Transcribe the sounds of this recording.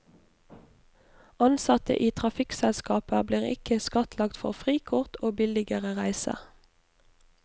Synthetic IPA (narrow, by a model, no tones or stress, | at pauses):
ɑnsɑt̪ə̰ʔiːt̪ʰʁɑfɪksɛlskɑːpəbliːʁɪ̰kəskɑt̪ʰlɑkt̪fɔʁfʁiːkʰʊʁt̪ʰoːbɪlɪɡəʁəʁæɪsə̰